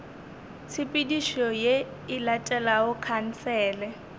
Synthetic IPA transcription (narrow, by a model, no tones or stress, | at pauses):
t͡sʰipʼidiʃɔje | ɪlatʼɛlaʊkʰan̩t͡sɛːlɛ